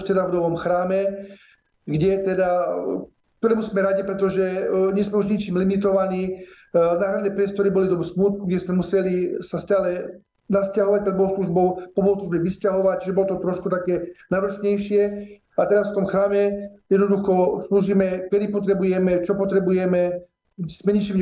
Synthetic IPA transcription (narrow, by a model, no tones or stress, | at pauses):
ʃt̪ɛd̪avnɔʋɔmxɾaːmɛ | ɡɟɛt̪ɛd̪a | k̚t̪ɔɾɛːmusmɛɾaɟipɾɛt̪ɔʒɛɲɛsmɛuʒɲit͡ʃiːmlimit̪ɔʋaniːnaːɦɾanɛpɾɪɛst̪ɔɾibɔlid̪ɔbsmuːt̪̚kuɡɟɛsmɛmusɛlisascaːlɛ | nascaɦɔʋac̚pɾɛd̪bɔlɔʊsluʒbɔʊpɔbɔosluʒbɛʋiscaɦɔʋac̚t͡ʃiʒɛbɔlɔt̪ɔt̪ɾɔʃkut̪akɛːnaʋr̩sɲɛjʃɪɛ | at̪ɛɾasft̪ɔmxɾaːmɛjɛd̪nɔd̪uxɔsluʒiːmɛkɛd̪ipɔt̪ɾɛbujɛmɛt͡ʃɔpɔt̪ɾɛbujɛmɛ | smɛɲit͡ʃiːm